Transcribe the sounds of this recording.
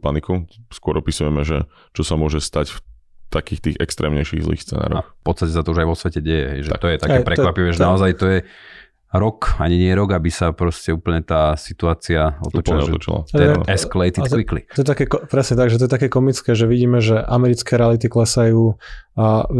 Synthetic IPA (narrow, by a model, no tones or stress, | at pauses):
panikuskʊɔɾɔpisujɛmɛʒɛ̰ | t͡ʃɔsamʊɔʒɛst̪acf | t̪akiːxt̪iːɣɛkst̪ɾɛ̰ːmɲɛjʃḭɣzlḭːxst͡sɛ̰na̰ːɾɔ̰axfpɔtt͡sst̪acɛs̬at̪ɔuʒajʋɔsʋɛcɛɟɛjɛ̰ɦɛ̰jʒɛt̪ɔjɛt̪akɛpɾɛkʋapiʋɛːʒɛnaɔzajt̪ɔjɛ | ɾɔkaɲiɲɪɛɾɔɡabisapɾɔscɛuːpl̩ɲɛt̪aːsit̪uaːt͡siaɔ̰t̪ɔlɛɔɔt͡ʃḭla̰ɛɛsklɛjt̪it̪kʋiklḭt̪ɔjɛt̪akɛkɔpɾɛsɲɛt̪aɡʒɛt̪ɔjɛt̪akɛːkɔmit͡skɛːʒɛʋiɟiːmɛʒɛʔamɛɾit͡skɛːɾɛalit̪̬iklɛsajuː